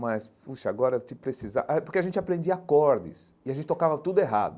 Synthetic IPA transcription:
mɐspuʃɐaɡɔɾɐt̪ɪpɾesiza̰ʔapoɾkeaʒẽnt͡ʃɪapɾẽnd͡ʒiɐakɔɾd̪ɪ̰sɪaʒẽtt͡ʃɪt̪okavɐt̪ud̪ʊeɦa̰d̪ʊ

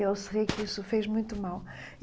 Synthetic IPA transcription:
ewsɨʁikisufeʒmũj̃t̪umawˠ

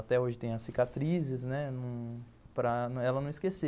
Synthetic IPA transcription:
at̪ɛoʒɪt̪ẽj̃ɐsːikat̪ɾizɪznɛnɐ̃w̃ | pɾɐnɐ̃ɛlɐnɐ̃w̃iskese

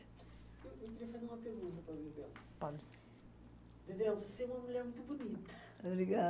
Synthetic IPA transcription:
ewewkiɾiɐfɐzeɾũmɐpelũzɐpɾɐbẽd̪ɛlɐ | pal | d̪ed̪ɛlvoseũmɐmuʎɛɾmũj̃t̪ubunit̪ɐ | obɾiɣa

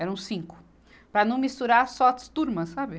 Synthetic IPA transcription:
ɛɾɐ̃w̃sĩŋkʊ̥ | pɾɐnɐ̃w̃mist̪uɾaɾsɔt̪st̪uɾmɐsːabɪ

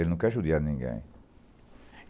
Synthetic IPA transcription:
elnũkaʃuðjanĩŋɡḛ̃ḭ̃

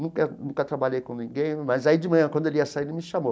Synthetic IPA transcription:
nũkɐnũkɐt̪ɾabaʎejkõnĩɡẽj̃mɐzaid͡ʒɪmɐ̃ɲɐ̃kwɐ̃d̪ʊeliɐsail̃mɪʃamo

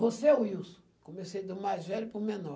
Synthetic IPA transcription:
voseuiusʊ̥ | komesejd̪ʊmajzvɛlʊpʊmenɔ

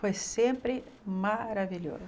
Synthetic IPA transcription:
fojsẽmpɾɪ | maɾaviʎo̰zɐ

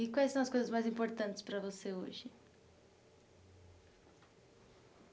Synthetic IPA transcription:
ikwajsɐ̃w̃ɐskojzɐzmajzĩmpoɾt̪ɐ̃nt̪ɪ̥spɾɐvoseo̰ʒɪ

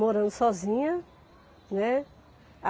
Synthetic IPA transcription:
moɾɐ̃nd̪ʊsɔzĩɲɐ | nɛ | a

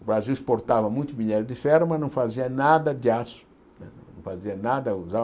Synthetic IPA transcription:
ʊbɾaziwispoɾt̪avɐmũj̃t̪ʊbiɲɛɾʊd̪ɪfɛɾmɐnɐ̃w̃faziɐnad̪ɐd̪ɪasʊ̥ | nɛ̃nɐ̃w̃faziɐnad̪ɐuza

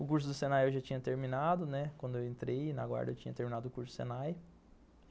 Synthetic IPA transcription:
ʊkuɾs̬ʊd̪ʊsẽnajewʒat͡ʃĩɲɐt̪eɾmĩnad̪ʊnɛkwɐ̃nd̪ʊewẽnt̪ɾejnɐ̰ɡwa̰ɾd̪ɐewt͡ʃĩɲɐt̪eɾminad̪ʊkuɾsʊd̪ʊ̥sḛ̃naj

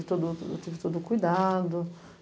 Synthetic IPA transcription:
it̪ud̪ut̪ivit̪ud̪ukujd̪and̪u

